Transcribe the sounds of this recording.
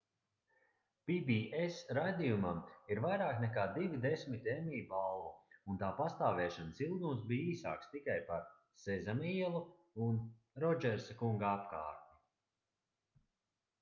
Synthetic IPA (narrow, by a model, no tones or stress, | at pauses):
pibiesɾajd̪ʲijumamiɾvajɾaːknɛkaːd̪ivid̪esmit̪emʲiːbalˠvuunt̪aːpast̪aːvɛːʃansilˠd̪umsbiːiːsa̰ːkst̪ikajpaɾ | sɛzamiɛlˠu | un | ɾɔd͡ʒɛɾsakuŋɡaapka̰ːɾt̪i